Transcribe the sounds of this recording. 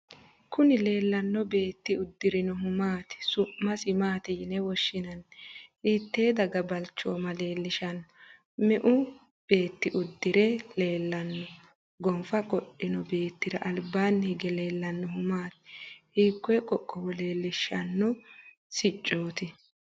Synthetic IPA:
kʰʊnɪle̞ːlːɐnːɔbe̞ːt̪ːɪʊd̪ːɪɾɪnɔɦʊmaːt̪sʊmːɐsɪmaːt̪ɪjɪnɛwɔʃːɪnɐnit̪ːe̞ːd̪ɐɡɐbɐlt͡ʃːoːmɐle̞ːlːɪʃɐn | mɛʔʊ | b̥e̞ːt̪ːɪʔʊd̪ːɪɾɛle̞ːlːɐnːɔ | ɡɔmfɐkʼɔɗɪnɔbe̞ːt̪ːɪɾɐʔɐlbaːnːhɪɡɛle̞ːlːɐnːɔhʊmaːt̪hiːkːɔjɛkʼɔkʼːɔwɔle̞ːlːɪʃːɐnːɔ | sɪt͡ʃʼːoːt̪ɪ

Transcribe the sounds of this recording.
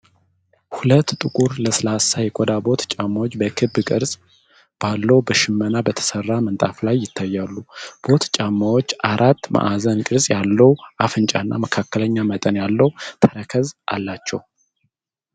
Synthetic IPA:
hulət̪ːt̪ʼɨkʼuɾləslasajɛkʼod̪abo̞t̪t͡ʃʼamːawot͡ʃːbəkʰɨbːkʼɨɾsʼ | b̥alːəwbəʃɪmːənabət̪ʰə̥sərːamənt̪ʼaflajːɪt̪ʰːajːalːub̥o̞t̪t͡ʃʼamːawo̞t͡ʃːʔaɾʔat̪ːmʔa̰ʔazənkʼɨɾsʼjalːəwʔafɨnt͡ʃʼa̰nːa̰məkʰakːələɲːamət̪ʼənjalːəwt̪ʰəɾəkʰəzʔa̰lːat͡ʃːɛw

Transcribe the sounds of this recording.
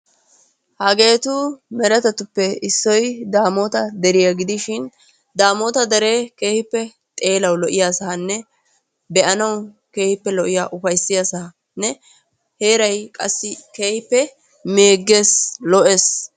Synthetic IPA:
hɐɡe̞ːt̪ʊmɛɾɛt̪ɛt̪ʊpːɛɪsːɔjd̪aːmoːt̪ɐd̪ɛɾɪjaɡɪd̪ɪʃɪn | d̪aːmoːt̪ɐd̪ɛɾe̞ːke̞ːhɪpːɛ | t̪ʼe̞ːlɐwlɔʔɪjaːsanːɛ | bɛʔɐnɐw | ke̞ːhɪpːɛlɔʔɪjaːʔʊfɐjsːɪjasɐ | nːɛ | heːɾɐjkʼɐsːɪke̞ːhɪpːɛ | meːɡːe̞ːslɔʔes

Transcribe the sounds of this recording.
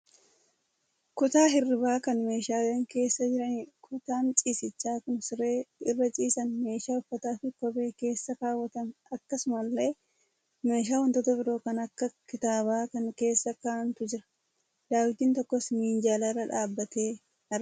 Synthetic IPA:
kʊt̪aːɦɪrːɪbaːkɐnme̞ːʃaːleːŋke̞ːsːɐd͡ʒɪɾɐnikʰʊt̪aːnt͡ʃʼiːsɪt͡ʃːaːkʊnsɪɾeːɪrːɐt͡ʃʼiːsɐnme̞ːʃaːʊfːɐt̪aːfɪkɔbe̞ːke̞ːsːɐkaːwːɐt̪ɐnɐkːɐsʊmɐlːe̞ː | me̞ːʃ̬aːwɔnt̪ɔt̪ɔbɪɾoːkɐnɐkːɐkɪt̪aːbɐːkɐŋke̞ːsːɐkaːnt̪ʊd͡ʒɪɾɐ̥ | d̪̥aːwɪt̪iːnt̪ɔkːɔsniːnd͡ʒaːlaɪrɐᶑaːbːɐt̪e̞ː | ɐ

